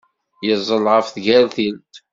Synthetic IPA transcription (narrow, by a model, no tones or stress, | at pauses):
jəzˤəlʁəfθɡælθilt̪